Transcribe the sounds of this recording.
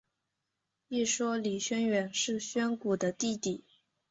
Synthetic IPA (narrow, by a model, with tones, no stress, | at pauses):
i˥˩ʂwɔ˥li˨˩ɕɥɛ˥nɥɛ˧˥nʂɻ̩˥˩ɕɥɛ˥nku˨˩d̪ə˦t̪i˥˩t̪i˨˩˦